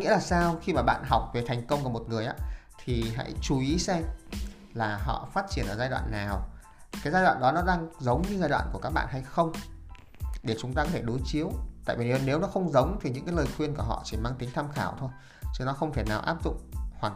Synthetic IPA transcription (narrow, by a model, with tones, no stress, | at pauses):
ŋḭ˧˥laː˨˩saː˧wxi˧maː˨˩ɓa̰ː˧˨nɦa˨˩wk͡p̚ve˨˩t̪ʰa˨˩jŋ̟kə˧wŋ͡mka˧˩mo˨˩t̚ŋɨ˨˩əjʔa̰ː˨˦t̪ʰi˨˩ɦa̰˧˥jt͡ɕu˨˦ʔi˨˦sɛ˧m | laː˨˩ɦɔ̰˧˨faː˦˥t̚t͡ɕi˧˩ənʔə̰ː˧˩zaː˧jɗwa̰ː˧˨nːaː˨˩w | kaː˨˦jzaː˧jɗwa̰ː˧˨nɗɔ˨˦nɔ˨˦ɗaː˧ŋzə˨˦wŋ͡mɲɨ˧zaː˧jɗwa̰ː˧˨nku˧˩əka˦˥k̚ɓa̰ː˧˨nɦa˧jxə˧wŋ͡m | ɗe˧˩t͡ɕʊ˨˦ŋ͡mt̪aː˧kɔ˨˦t̪ʰe˧˩ɗo˨˦jt͡ɕi˨˦əwt̪a̰ː˧˨vi˨˩ne˨˦ne˨˦wnɔ˨˦xə˧wŋ͡mzə˨˦wŋ͡mt̪ʰi˨˩ɨ̰˧˥ŋkaː˨˦jləː˨˩jxwi˧ənku˧˩əɦɔ̰˧˨t͡ɕi˧˩maː˧ŋt̪ï˨˦ŋt̪ʰaː˧mxaː˧˩wt̪ʰo˧j | t͡ɕɨ˧˩nɔ˨˦xə˧wŋ͡mt̪ʰeː˧˩naː˨˩wʔaː˦˥p̚zʊ̰˧˨ŋ͡mhwaː˨˩